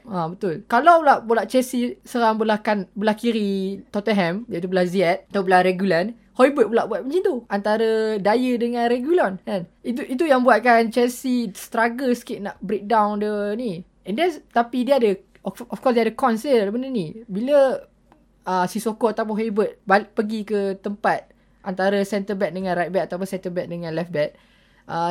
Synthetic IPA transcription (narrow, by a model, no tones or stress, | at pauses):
abət̪ʊlkalawblaʔbulaʔt͡ʃɛsisəɾaŋbəlahkanbəlahkiɾit̪ɔt̪əɦɛ̃mjaʔit̪ubəlahziɛt̪̚t̪abəlaɾɛɡjulan | hɔibət̚bəlaʔbuat̪̚məɲt͡ʃint̪uant̪aɾədajədəŋãnrɛɡjulɔnɛnit̪uit̪̬ujaŋbuat̪̚kant͡ʃɛsist̪ɾaɡəsə̥kɪʔ̪̚naʔbɾek̚dãwndəni | ɛ̃ndɛnt̪apidiəadə | ɔfkɔsdiadəkɔnsədəpənənibilə | əsisokoat̪awp̬ʊ̃nɦɔibət̪̚bapəɡikət̪əmpat̪̚ | ʔant̪aɾəsɛnt̪əbɛk̪̚dəŋãnrajt̪̚bɛt̪̚at̪awp̬ʊnsɛnt̪əbɛʔ̚dəŋãnlɛfbɛt̪̚ | ʔə